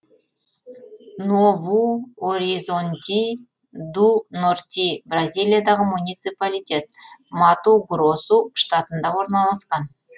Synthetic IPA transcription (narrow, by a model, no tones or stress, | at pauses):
novuoɾizont̪ʲi | d̪unort̪ʲibrazʲijlʲˠijad̪ɑʁəmunʲijt̪sɨpalʲijt̪ʲe̞t̪̚mɑt̪uɡrosuʃt̪at̪ənd̪ɑwo̞ɾnɑlˠɑsqɑn